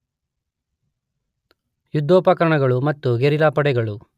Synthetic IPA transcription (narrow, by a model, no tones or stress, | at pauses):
jud̪ːoːpɐkɐɾɐɳɐɡɐɭumɐt̪ːuɡeɾilaːpɐɽɛɡɐɭu